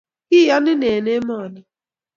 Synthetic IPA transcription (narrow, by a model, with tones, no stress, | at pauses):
kɪ˦ja˦nɪ˦ne˨ne˦mɔ˦˨nɪ˦